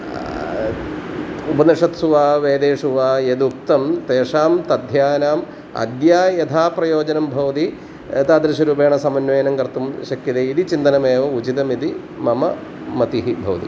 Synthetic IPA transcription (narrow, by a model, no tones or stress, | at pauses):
upɐnɐʂɐt̪suʋaːʋeːd̪eːʂuʋaːjed̪uk̚t̪ɐmt̪eːʂaːmt̪ɐd̪ʱjaːnaːm | ɐ̰d̪jaːjɐt̪ʰaːprɐjoːd͡ʑɐnɐmbʱɐʋɐt̪i | et̪aːd̪ɾɐɕɐɾuːpeːɳɐsɐmɐnʋeːjɐnɐmkɐɾt̪ːumʃɐkːid̪ɐid̪it͡ɕind̪ɐnɐmeːʋɐut͡ɕit̪ɐmid̪i | mɐmɐ | mɐt̪iɦibʱɐʋɐt̪ḭ